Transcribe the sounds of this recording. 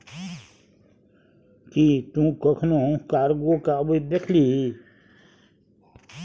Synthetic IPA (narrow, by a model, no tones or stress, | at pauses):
kit̪ũːkəkʰnõkaːɾɡoːkabəid̪ekʰliːɦi